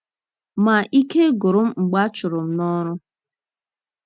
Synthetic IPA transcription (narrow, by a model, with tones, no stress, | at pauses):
ma˨ʔi˦ke˦ɡʊ˨ɾʊ˦m̩˦ŋ͡m̩˨ɡ͡ba˦t͡ʃʊ˨ɾʊ˨m̩˦nɔ˦ɾʊ˦